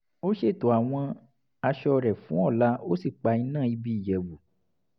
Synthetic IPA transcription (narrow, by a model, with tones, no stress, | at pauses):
o˦ʃe˦˨to˨a˨w̃ɔ̃˧ | a˧ʃɔ˧ɾɛ˨fũ˨˦ɔ˦˨la˨˦o˦si˦˨k͡pa˧i˧nãː˦˨i˧bi˧i˦˨jɛ˨bu˨